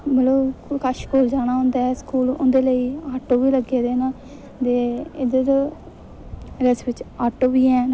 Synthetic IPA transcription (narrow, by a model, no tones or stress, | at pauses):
məlokaʃkoːld͡ʒaːɽ̃aːɦʊ̃nd̪aːɛːskuːlʊ̰̃nd̪eːləiːaːʈoːʋiːləɡeːd̪eːnãː | d̪eːɪd̪əɾ | ɾɛsʋɪt͡ʃaːʈoːʋiːɛːn